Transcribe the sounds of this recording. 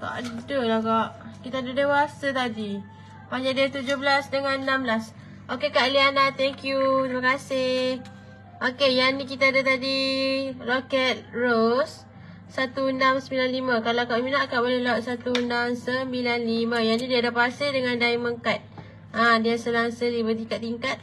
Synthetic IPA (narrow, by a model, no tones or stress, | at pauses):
ka̰ʔdəlakaʔkit̪aadədewasat̪adi | paɲd͡ʒaʔdiat̪ud͡ʒohbəlasdəŋannamblas | ʔokekaʔlianat̪ɛŋkjut̪ɾimakasɪh | ʔokejanĩk̬it̪aadət̪adirokɛt̪̚rosː | at̪uundamsəbilanlimakalawkaʔminaʔkaʔbolehlaʔsat̪uundaŋsəmbilanlimãjanĩdiadapasɪdəŋandaiməŋkat̪̚ | ʔadiasəlaŋsəɾibət̪iŋkat̪ːiŋkat̪̚